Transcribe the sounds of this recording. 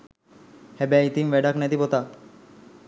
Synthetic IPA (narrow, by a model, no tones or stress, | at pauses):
hɛbɛit̪imʋɛɖaknɛt̪ipot̪a